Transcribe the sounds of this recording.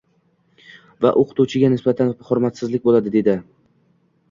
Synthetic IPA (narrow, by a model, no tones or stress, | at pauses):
va̰ʔoqʰɨ̥t̪ut͡ʃʰɪɡʲanɪsbat̪ʰanχʊɾmat̪sɪzlɪk̚ʲbolad̪ɪd̪e̞d̪ɪ